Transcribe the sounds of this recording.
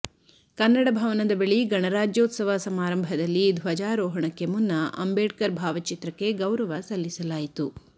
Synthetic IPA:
kɐnːɐɽɐbʱɐʋɐnɐd̪ɐbeɭiɡɐɳɐɾaːd͡ʒjoːt̪sɐʋɐsɐmaːɾɐmbʱɐd̪ɐlːid̪ʱʋɐd͡ʒaːɾoːɦɐɳɐkːemunːɐʔɐ̰mbeːɖkɐɾbʱaːʋɐt͡ʃit̪ɾɐkːe̞ɡɐwɾɐʋɐsɐlːisɐlaːjit̪u

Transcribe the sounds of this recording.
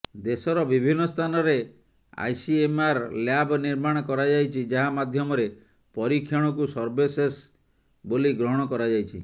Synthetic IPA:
d̪esɔɾɔbibʱinːɔst̪ʰanɔɾe | a̰jsiemaɾljabniɾmaɽ̃ɔkɔɾad͡ʒajt͡ʃʰid͡ʒaɦamad̪ʱjɔmɔɾe | pɔɾikʰːjɔɽ̃ɔk̬usɔɾbeses | boliɡɾɔɦɔɽ̃ɔkɔɾad͡ʒajt͡ʃʰḭ

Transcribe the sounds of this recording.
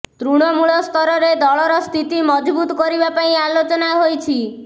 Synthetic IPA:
t̪ɾuɽ̃ɔmuɭɔst̪ʰɔɾɔɾed̪ɔɭɔɾɔst̪ʰit̪imɔd͡ʒbut̪ɔkɔɾibapaĩalot͡ʃɔnaɦojt͡ʃʰi

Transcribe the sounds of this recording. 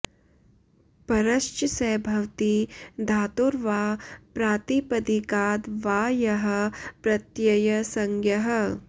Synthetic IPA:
pɐɾɐʃt͡ʃsɛːbʱɐʋt̪id̪ʱaːt̪oːɾʋaːpɾaːt̪ipɐd̪ikaːd̪ʋaːjɐɦɐ̆pɾɐt̪jɐjɐsɐŋɡjɐɦɐ̆

